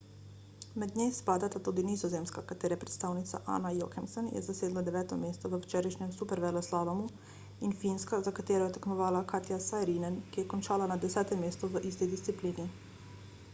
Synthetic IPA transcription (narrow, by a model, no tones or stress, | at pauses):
mɛd̪ɲemspaːd̪at̪at̪ud̪iniːzɔzeːmskakat̪eːɾɛpɾɛ̥t̪st̪aːwnit̪sa̰ʔa̰ːnajo̰ːkɛmsɛnjɛ̰zaseːd̪lɔd̪ɛʋɛːt̪ɔmeːst̪ɔʋəwt͡ʃɛːɾajʃɲɛmsupɛɾʋɛlɔslaːʋamu | infinskazakat̪eːɾɔjɛt̪akmɔʋaːlakaːt̪jasajɾinɛnkijɛkɔnt͡ʃaːlanad̪ɛsɛːt̪ɛmːeːst̪ɔʋəʔiːst̪id̪ist̪ipliːni